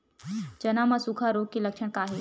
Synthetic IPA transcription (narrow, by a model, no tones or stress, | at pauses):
d͡ʒɐnamãsukʰaɾoːɡ̚keləkʃəɽ̃kaːɦe